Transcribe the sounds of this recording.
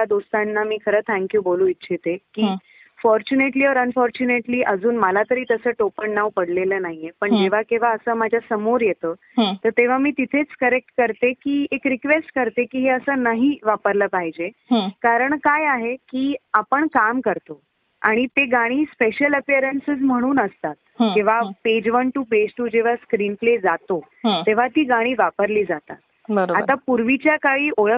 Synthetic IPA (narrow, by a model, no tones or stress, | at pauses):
ad̪ost̪anːamiːkʰəɾəːt̪ʰɛ̃ŋkjuːbolũːitːɕʰit̪ekiː | fɔɾt͡ɕuneʈliːɔɾənfɔɾt͡ɕuneʈliːʔəd͡zuːnməlat̪əɾiːt̪əsəːʈopəɳːaʋpəɽleləːnaɦijepəɳd͡ʑeʋ̤akĩʋ̤aəsəːmad͡ʑʱjasəmoɾjet̪əː | ɦt̪əɾt̪eʋ̤amiːt̪it̪ʰet͡skəɾek̚ʈkəɾt̪ekiːekɾikʋesʈkəɾt̪ekiːɦeəsəːnəɦiʋapəɾləːpaɦid͡ʑe | ɦkaɾəɳkajaɦekiːapəɳkamkəɾt̪o | a̰ɽ̃it̪eɡaɽ̃iːspeɕələpijəɾənsəd͡zm̤əɽ̃uːnəst̪at̪̚ɦkĩʋ̤aped͡ʑʋənʈuːped͡ʑʈuːd͡ʑeʋ̤askɾiːnpled͡zat̪õ | t̪eʋ̤at̪iːɡaɽ̃iːʋapəɾliːd͡zat̪a̰t̪̚ | bəɾat̪apuɾʋit͡ɕjakaɭiːʔoɭə